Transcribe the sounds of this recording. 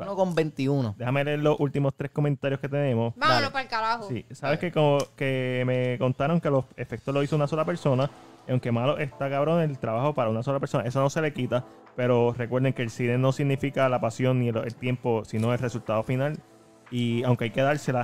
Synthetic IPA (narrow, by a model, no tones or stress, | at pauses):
okombent̪iunod̪ehame̞leeɾlosʔult̪imo̞st̪ɾehko̞mẽnt̪aɾjohke̞t̪e̞nẽ̞mo̞sbaalopalkaɾahosisaβeskekoke̞me̞ko̞nt̪aɾo̞ŋke̞lo̞se̞fe̞k̚t̪oloisounaso̞lape̞ɾso̞na | iawŋke̞malo̞ʔe̞st̪akaβɾo̞ne̞lt̪ɾaβaho̞paɾaunaso̞lape̞ɾso̞nae̞sono̞se̞le̞kit̪a | pe̞ɾo̞re̞kweɾðeŋkeːlsineno̞siɡnifikalapasjo̞nːilelt̪je̞mpo̞sino̞elresult̪aðo̞final | iawŋke̞ajke̞ðaɾse̞la